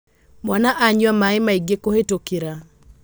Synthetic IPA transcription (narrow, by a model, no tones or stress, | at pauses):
mwanaʔaɲwamaɪmaiɡekohetokiɾa